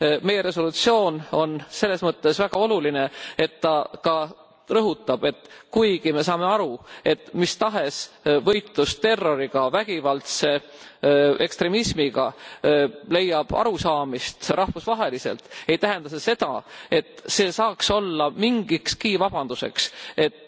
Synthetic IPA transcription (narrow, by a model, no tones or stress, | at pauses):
me̞jːe̞ɾe̞so̞lut̪sio̞ːno̞nse̞lːe̞smɤt̪ːe̞svæɡ̥ɑo̞luline̞e̞t̪ːɑkɑ | rɤɦut̪ːˑɑb̥e̞t̪kujɡ̥ime̞sɑːme̞ɑɾue̞t̪ːmist̪ɑɦe̞svɤ̞jt̪lust̪e̞rːo̞ɾiɡ̥ɑvæɡ̥ivɑlt̪se̞ | e̞kst̪ɾe̞mismiɡɑ | le̞jːɑb̥ɑ̰ɾusɑːmist̪ɾɑhvusvɑɦe̞lise̞̰lt̪ejt̪æɦe̞nd̪ɑsese̞d̪̥ɑ̰e̞t̪ːse̞ːsɑːkso̞lːɑmiŋɡ̥ikskiːvɑb̥ɑnd̪̥use̞̰kse̞t̪ː